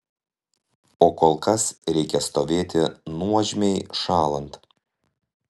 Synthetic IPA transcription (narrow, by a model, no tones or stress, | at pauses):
oːkoːlˠkɐsɾʲɛɪkʲɛst̪oːʋʲeːt̪ʲɪnuɔʒʲmʲɛɪʃɑːlˠɐnt̪